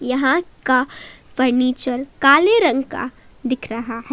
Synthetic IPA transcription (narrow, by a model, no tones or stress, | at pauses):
jɐɦãkafəɾniːt͡ʃəɾkaːleɾɐ̃ŋɡka̰ | d̪ɪkʰɾɐɦaɦɛ